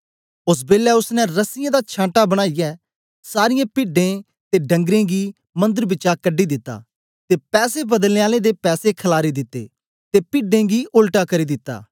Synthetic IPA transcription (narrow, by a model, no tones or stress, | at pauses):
ʊs̬beːlɛʊsnɛɾɐsɪjãːd̪at͡ʃʰãːʈabɐɽ̃aːɪjɛː | saːɾɪjãːpɪːɖẽ | t̪eɖɐ̃ŋɡɾẽːɡiː | mɐ̃nd̪əɾbɪt͡ʃakəɖːid̪ɪt̪ːa̰ː | t̪epɛːsebɐd̪əlneːaːlẽd̪epɛːsekʰəlaːɾid̪ɪt̪ːḛː | t̪epɪːɖẽːɡiʔʊlʈakɐɾiːd̪ɪt̪ːa̰ː